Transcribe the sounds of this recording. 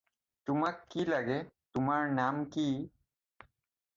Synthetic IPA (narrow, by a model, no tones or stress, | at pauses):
t̪umakːilɐɡet̪umaɾnaːmki